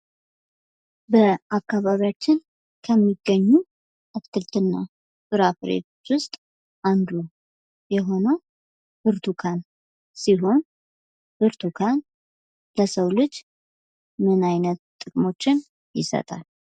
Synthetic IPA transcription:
bəakːaβaβiat͡ʃːɪn | kʰəmːiɡːəɲːu | ʔɨkt̪ʰɨlt̪ʰɨnːa | sʼɨɾafɾḛt̪ʰot͡ʃːwʊst̪ʼ | ʔand̪u | jɛɦo̞nəw | b̥ɨɾt̪ʰukʰan | siɦo̞n | bɨɾt̪ʰukʰan | ləsəwlɨd͡ʒ | mɨnajnət̪t̪ʼːɨkʼmo̞t͡ʃːɪn | jɪsə̰t̪ʼa̰l

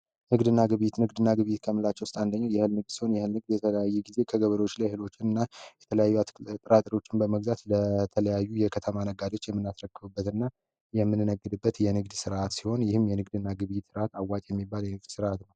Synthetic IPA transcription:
nɨɡd̪ɨnːaɡɨβjit̪nɨɡd̪ɨnːaɡɨβjit̪kʰəmɨlat͡ʃːɛwʊst̪ʼand̪əɲːajɛhɨlnɨɡ̚d̪si̥ho̞njɛhɨlnɨɡd̪jɛt̪ʰələjajːuɡize̞kʰəɡəβəɾo̞t͡ʃːlajhɨlo̞t͡ʃːɪnɨnːajjɛt̪ʰələjajːuat̪t̪ʼɾat̪ʼɾio̞t͡ʃːɪnbəməɡzat̪lət̪ʰələjajːujɛkʰət̪ʰəmanəɡad̪o̞t͡ʃːjɛmːɨnːasɾəkːɨβɨbːət̪ɨnːa | jɛmːɨnːɨnəɡːɨd̪ɨbːət̪jɛnɨɡd̪sɨɾʔat̪siho̞njɪhɨmjɛnɨɡd̪ɨnːaɡɨβjt̪sɨɾʔat̪awːat͡ʃʼjɛmːibːaljɛnɨɡd̪sɨɾʔat̪nəw

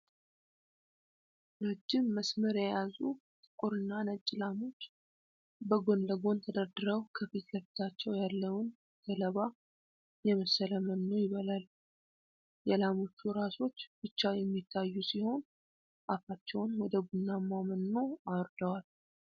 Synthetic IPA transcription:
nəd͡ʒːɪmːəsməɾjɛjazut̪ʼɨkʼuɾɨnːanət͡ʃʼːɪlamo̞t͡ʃː | bəɡo̞nləɡo̞nt̪ʰəd̪əɾd̪ɨɾəwkʰəfit̪ləft̪ʰat͡ʃːɛwjalːəwn | k̪ʰələβa | jɛməsələmənːojɪβəlal | jɛlamo̞t͡ʃːuɾaso̞t͡ʃːb̥ɨt͡ʃːajɛmːit̪ʰːajːusiho̞n | ʔafat͡ʃːɛwnwɔd̪əɡunːamamənːo̞awɔɾd̪əwal

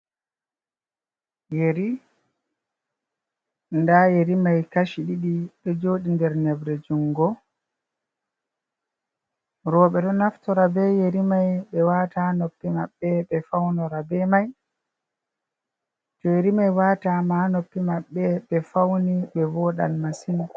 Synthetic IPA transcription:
jeɾi | ndajeɾimajkaʃiɗiɗiɓɛd͡ʒoːɗindɛɾnɛbɾɛd͡ʒuŋɡɔ | ɾɔːɓɛɗɔnaftɔɾabɛjeɾimajɓɛwaːtanopːimaɓːɛɓɛfawnɔɾabɛmaj | d͡ʒɔjeɾimajwaːtamanopːimaɓːɛɓɛfawniɓɛwɔɗa̰lmasina

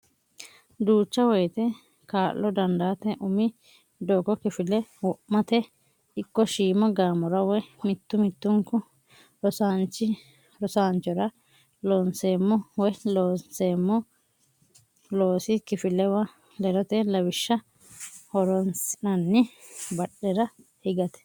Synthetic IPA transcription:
d̪uːt͡ʃːɐwɔjt̪ɛ | kaːlːɔd̪ɐnd̪aːt̪ɛʔʊmɪ | d̪oːkɔkɪfɪlɛwɔʔmɐt̪ɛ | ɪkːɔʃiːmɔɡaːmɔɾɐwɔjmɪt̪ːʊmɪt̪ːʊŋkʊ | ɾɔsaːnt͡ʃːɪ | ɾɔsaːnt͡ʃːɔɾɐ | loːnseːmːɔwɔjloːnseːmːɔ | lo̞ːsɪkɪfɪlɛwɐ | lɛɾɔt̪ɛlɐwɪʃːɐ | hɔɾɔnsɪnɐnːɪbɐɗɛɾɐ | hɪɡɐt̪ɛ̥

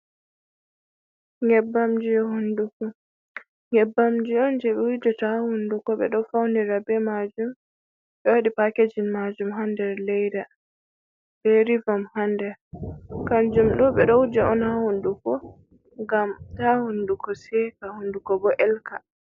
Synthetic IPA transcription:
ŋɛbːamd͡ʒiɛhundukɔ | ŋɛbːamd͡ʒiɔnd͡ʒɛɓɛwidɛtahundukɔɓɛɗɔfawniɾabɛmad͡ʒum | ɓɛwaɗipaked͡ʒinmad͡ʒumɦandɛɾlɛjda | b̥ɛɾivamhandɛɾkand͡ʒumɗɔɓɛɗɔwd͡ʒɛɔnhahundukɔ | ŋɡamtahundukɔsɛkahundukɔbɔʔɛlka

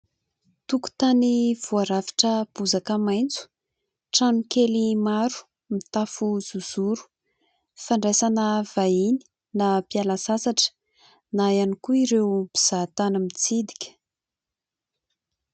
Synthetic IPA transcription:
t̪uku̥t̪aniv̥uaɾavi̥ʈ͡ʂəb̥uzakəmajnt͡su̥ | ʈ͡ʂanukelimaɾu̥ | mit̪afuz̥uz̥uɾu̥ | faɳɖ͡ʐesanəv̥aini̥ | napialasasaʈ͡ʂə̥ | najanikuiɾewbiz̥at̪anəmit͡sid̪i̥kʲə̥

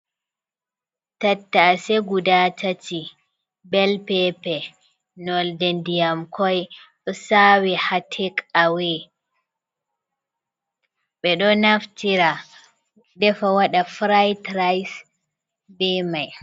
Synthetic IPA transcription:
tatːaːsɛɡudatʰatʰi | bɛlpɛpɛ | nɔldendijamkʰɔjɗɔsawɛhatʰɛkawɛ | ɓɛɗɔnaftiɾa | dɛfawaɗafɾajtɾajs | bɛmaj

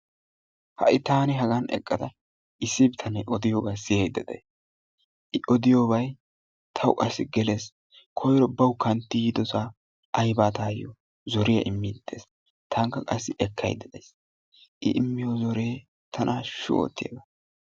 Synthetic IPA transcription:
hɐ̰ʔɪt̪aːnɪɦɐɡɐnɛ̰kʼːɐd̪ɐ | ʔɪsːɪbt̪ʰɐnɐjʔɔd̪ɪjoːbɐjsɪjɛjd̪ɐd̪ejs | ʔɪʔɔd̪ɪjoːbɐj | t̪ʰɐwʔɐsɪɡɛle̞ːs | kʰɔjɾɔbɐwʊkɐnt̪ːɪjɪd̪ɔsaː | ʔɐjbaːt̪aːjɔ̰ | zɔɾɪjɐ̰ʔɪmːɪːd̪̥ːḛːs | t̪ʰaːŋkːɐkʼɐsːɪʔɛkːɐ̰jd̪ːɛd̪es | ʔɪʔɪmːɪjozɔɾeː | t̪ʰɐnʔaːʃʊ̰o̰ːt̪ːɪj̰ːɡɐ

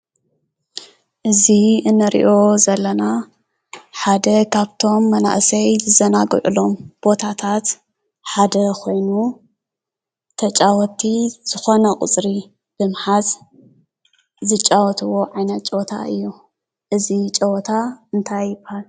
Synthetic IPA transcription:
ʔɨziɨnːɨɾḭʔo̞zɐlːɐna | ħad̪ɐkʰaβt̪ʰo̞mːɐna̰ʔsɐjzɨzɐnaɡ̰ʕṵlo̞mb̥o̞t̪ʰat̪ʰat̪ | ħad̪ɐkʰo̞jnu | t̪ʰɐt͡ʃʼawɔt̪ʰiz̥ɨxo̞nɐkʼɨ̰t͡sʼɾi | b̥ɨmħaz | zɨt͡ʃʼawɔt̪ʰɨwo̞ʕajnɐt̪̚t͡ʃʼɐwt̪ʰa̰ʔɨjːu | ʔɨzit͡ʃʼɐwt̪ʰaɨnt̪ʰajpal

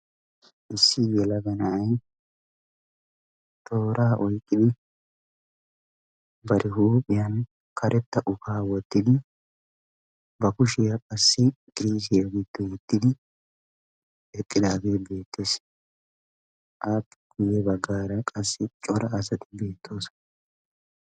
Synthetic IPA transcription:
ʔɪsːɪjɛlɐɡɐnɐɐj | t̪ʰo̞ːɾaːʔɔjkʼːɪd̪ɪ | bɐɾɪɦuːpʼːɪjɐn | kʰɐɾʔɛt̪ːɐʔʊfaːwɔt̪ːɪd̪ɪ | bɐkʊʃɪjɐkʼɐsːɪɡ̥ɾiːs̬ɪjɐɡɪt̪ːɪwɔt̪ːɪd̪ɪ | ɛt̪ʼːɪd̪aːɡe̞ːbe̞ːt̪ːeːs | ʔaːpːɪɡ̥ʊjɛbɐɡːaːɾɐkʼɐsːɪt͡ʃʼɔɾɐːsɐt̪ɪ̥be̞ːt̪ʰːo̞ːs

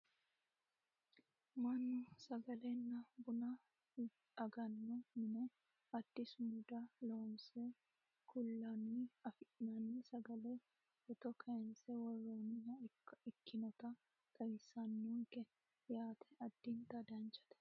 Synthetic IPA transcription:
mɐnːʊsɐɡɐlenːɐbʊnɐ | ɐɡɐnːɔmɪnɛ | ɐd̪̥ːɪsmʊd̪ɐloːnse | kʊlːɐniɐfɪʔnɐnisɐɡɐle | ɔt̪ɔkʰɐɛnsɛwɔrːoːnɪjɐkːɪkːɪnɔt̪ɐ | k̪ʰʼɐjsɐnːuŋkɛ | jaːt̪ʰɛ̥ɐd̪̥ːint̪ɐd̪ɐnt͡ʃɐ̥t̪ɛ̥

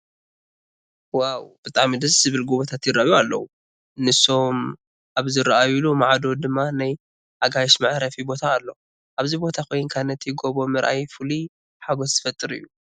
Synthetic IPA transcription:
wawb̥ɨt̪ʼaʕmid̪ɨszɨβɨlɡuβɐt̪ʰat̪jɪrːaʔjualːɐwu | nɨso̞m | ʔaβzɨɾaʔajulumaʕd̪o̞d̪ɨmːanaj | ʔaɡajʃmaʕɾɐfibo̞t̪ʰaːlːo̞ | ʔaβzibo̞t̪ʰakʰo̞jnkʰanɐt̪ʰjɪɡoβo̞mɨɾʔa̰jfuli | ħaɡo̞zt̪ɨ̥fɐt̪ʼːɨɾɨ̰jːu

